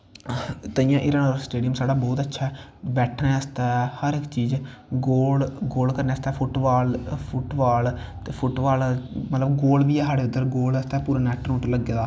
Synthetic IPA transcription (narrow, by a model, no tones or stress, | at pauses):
t̪əĩjãːʔɪɾənəɾsʈeːɖijəmsaːɖaːbɔːt̪ətːʃʰaːɛːbɛːʈʰneːəst̪ɛːhəɾɪkt͡ʃiːd͡ʒ | ɡoːlɡoːlkəɾnẽːəst̪ɛːpʰʊʈbaːlpʰʊʈbaːl | t̪eːpʰʊʈbaːlmət̪ləbɡoːlʋiːɛːsaːɽeːʊd̪əɾɡoːləst̪ɛːpuːɾaːnɛːʈnõːʈləɡːeːd̪aː